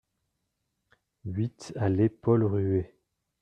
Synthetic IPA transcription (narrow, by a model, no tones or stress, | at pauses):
ɥit̪alepɔlʁye